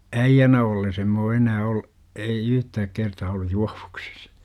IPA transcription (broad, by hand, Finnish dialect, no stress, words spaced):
æijːænæ olːes em m oː enæː ol ei yhtæːk kertɑː olːu juɑ̥ʋ̥u̥ksi̥s